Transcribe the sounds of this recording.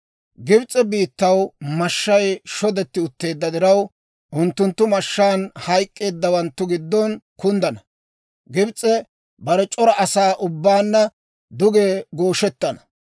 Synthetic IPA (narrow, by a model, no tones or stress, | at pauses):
ɡɪbt͡sʼɛbiːt̪ːɐwmɐʃːɐjʃɔd̪ɛt̪ːɪʊt̪ːe̞ːd̪ːɐd̪ɪɾɐw | ʔʊnt̪ːʊnt̪ːʊmɐʃːaːnhɐjkʼːe̞ːd̪ːɐwɐnt̪ːʊɡɪd̪ːɔnkʊnd̪ɐnɐ | ɡɪbt͡sʼːɛ | bɐɾɛt͡ʃʼɔɾɐʔɐsaːʔʊbːaːnːɐ | d̪ʊɡeːɡo̞ːʃɛt̪ːɐnɐ̥